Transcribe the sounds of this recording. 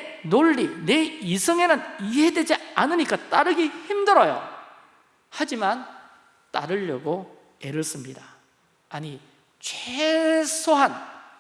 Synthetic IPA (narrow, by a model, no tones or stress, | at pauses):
noɭːine̞isʰɯŋenɯniɦe̞dwe̞d͡ʑianɯɲik͈at͈aɾɯɡiçimdɯɾʌjo̰ | had͡ʑiman | t͈a̰ɾɯʎːʌɡo | e̞ɾɯs͈ɯmɲidaː | ɲi | t͡ɕʰwesʰoɦan